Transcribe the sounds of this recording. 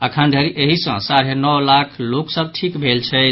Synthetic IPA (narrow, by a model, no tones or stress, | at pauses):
əkʰənd̪ʱəɾiʔeɦisə̰̃saɾenɔwlakʰloksəb̚ʈʰikbʱelt͡ʃʰɛ